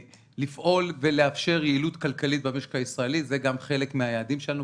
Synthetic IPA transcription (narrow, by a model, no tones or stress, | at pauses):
lifʔo̞lve̞le̞afʃe̞ʁjeilut̪kalkalit̪̚bameʃkaisʁaelitzeɡamχe̞le̞kmeajaːd̪imʃe̞lanu